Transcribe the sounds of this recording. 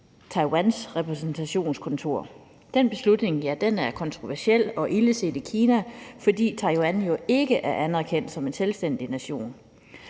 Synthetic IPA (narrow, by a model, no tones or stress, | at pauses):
t͡sʰɑ̈ɪwænsʁɛpʰʁɛsn̩t͡sʰæɕo̝̰ːnskʰɔ̽nt͡sʰo̝ɐ̰ | d̥enb̥e̝slud̥ne̝ŋjæd̥enæɐkʰɒ̽nt͡sʰʁo̝ʋæɐsel̰ɒ̽ʔiləse̝̰ːd̥ikʰiːnæfɒ̽d̥ḭːt͡sʰɑ̈ɪwænjo̝e̝ɡ̥əʔæɐʔænæɐkʰen̰d̥sɒ̽me̝nselsd̥en̰d̥inæɕo̝̰ːn